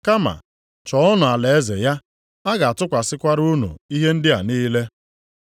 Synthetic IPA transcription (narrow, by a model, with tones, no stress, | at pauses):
ka˦ma̰˨ | t͡ʃɔ˨ɔ˦nʊ˨a˨le˨e˦ze˨ja˦ | a˦ɡa˨a˨tʊ˦kʷa˨sɪ˦kʷa˦ɾu˦nṵ˨i˦ɦe˦n̩˦dɪ˦a̰˨niː˦le˦